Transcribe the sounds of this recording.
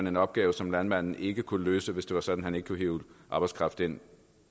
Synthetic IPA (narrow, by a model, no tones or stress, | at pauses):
æne̝nɒ̽b̥̚ɡ̥ɛːʊsɒ̽mlænmæn̰n̩ʔe̝ɡ̥əkʰulløːsəʋe̝sd̥e̝ʋɑ̈sɒ̽d̥n̩hæne̝ɡ̥əkʰuɦeʊʔɑ̈ːb̥ɑ̈ɪskʰʁɑ̈fd̥e̝n̰